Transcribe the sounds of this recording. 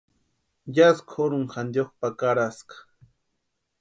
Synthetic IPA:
jaskʰoɾʊŋxand̪joχpakaɾaskḁ

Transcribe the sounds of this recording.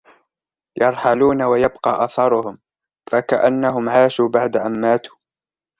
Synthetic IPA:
jɑɾˤħaluːnawajabqɑːʔɑθɑɾˤʊhʊm | fakaʔanːaɦʊmʕaːʃuːbaʕd̪aʔamːaːt̪u̥ː

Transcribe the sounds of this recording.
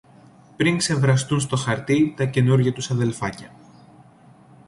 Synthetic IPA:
pɾiŋkse̞vɾɐst̪unst̪o̞xɐɾt̪it̪ɐce̞nuɾʝɐt̪usɐðe̞lfɐcɐ

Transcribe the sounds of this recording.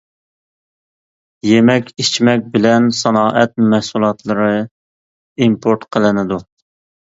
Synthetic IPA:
jemɛkʲʰit͡ʃmɛk̚ʲbɪlɛnsɑnɑːʔɛt̪̚mɛhsulˠɑt̪lˠəɾɨ | impʰoɾt̪qʰəlˠɨnɨd̪u

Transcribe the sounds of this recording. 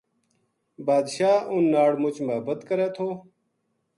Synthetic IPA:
baːd̪ɕaːʔunːaːɽmʊt͡ɕmɐɦbət̪kəɾeːt̪ʰoː

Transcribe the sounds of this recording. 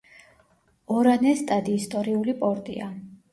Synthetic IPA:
ɔɾanɛst̪ʼad̪iːst̪ʼɔɾiulipʼɔɾt̪ʼḭa

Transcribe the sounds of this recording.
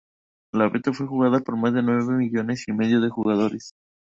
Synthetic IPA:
laβet̪afwe̞xuɣaðapo̞ɾmazðe̞nwe̞βe̞miʝo̞ne̞sime̞ðjoðe̞xuɣað̞o̞ɾes

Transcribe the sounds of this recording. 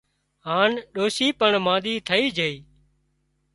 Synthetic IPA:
ɦaːnɗoːsiːpəɳmãːɗ̪iːt̪ʰəiːd͡ʒʱeiː

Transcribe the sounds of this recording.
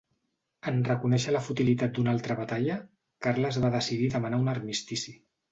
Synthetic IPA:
ənrəkunɛʃələfut̪ilit̪at̪̚d̪unalˠt̪ɾəβat̪aʎə | kaɾləzβaðəsiðiðəmənaunərmist̪isi

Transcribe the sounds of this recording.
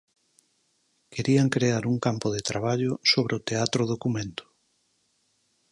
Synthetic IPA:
kʰeɾiaŋkɾeaɾuŋkampʊðet̪ɾaβaʎʊsoβɾeot̪eat̪ɾoðokumẽnt̪ʊ̥

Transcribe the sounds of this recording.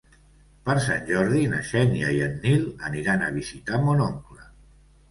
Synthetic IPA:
pəɾsanʲʒɔɾðinəʃɛnjaiənːilˠəniɾanaβ̞izit̪amonoŋklə

